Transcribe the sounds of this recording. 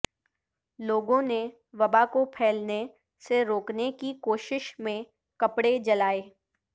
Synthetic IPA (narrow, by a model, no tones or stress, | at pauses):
loːɡõne | ʋɐbakopʰɛːlne | seɾoːknekikoːʃɪʃmẽ | kɐpɽed͡ʒɐlaːeː